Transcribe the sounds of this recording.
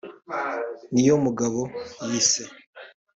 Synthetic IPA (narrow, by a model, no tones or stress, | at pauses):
nijo̞muɡaβo̞jiːse